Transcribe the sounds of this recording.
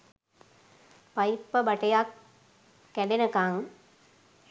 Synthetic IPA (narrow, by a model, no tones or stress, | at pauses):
pajipːəbaʈəjakː | ælenəkaŋ